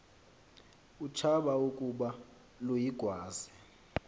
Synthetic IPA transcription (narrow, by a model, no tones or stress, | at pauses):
ut͡ʃʰaɓaukʼuɓa | lujiɡ̥ʱwaːzi